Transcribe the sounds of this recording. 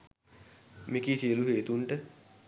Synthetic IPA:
mikiːsiəluɦeːt̪uɳʈə

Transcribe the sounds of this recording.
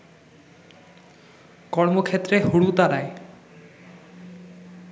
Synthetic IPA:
kɔɾmokʰet̪ːɾeɦuɽut̪aɾae

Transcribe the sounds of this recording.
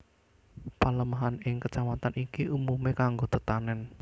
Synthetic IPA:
paləmaɦanɪŋkət͡ʃamat̪anikiʔumumekaŋɡot̪ət̪anɛn

